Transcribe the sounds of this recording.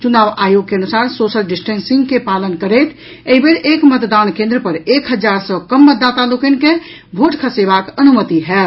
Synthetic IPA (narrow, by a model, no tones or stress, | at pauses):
t͡ʃunabajoɡ̚keənusaɾsosəlɖisʈənsiŋɡkepalənkəɾɛt̪ʰ | eɦibeɾekmət̪d̪ankẽnd̪ɾəpəɾekɦəd͡ʒaɾsə̃kəmːət̪d̪ːat̪alokenke | bʱoʈkʰəsebakənumət̪iɦɛ